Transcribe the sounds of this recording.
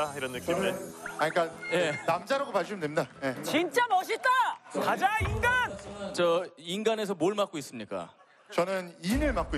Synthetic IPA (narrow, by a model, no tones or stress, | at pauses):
iɾʌnːɯk͈imeaɲik͈aje̞namd͡ʑaɾaɡomaɭɕ̬ʰɯmndemɲidaje̞t͡ɕint͡ɕ͈amʌɕ̬ʰit͈akad͡ʑainɡant͡ɕʌinɡane̞s̬ʰʌmoɭmak͈ois͈ɯmɲik͈a̰ | t͡ɕʌnɯninɯɭmak͈oi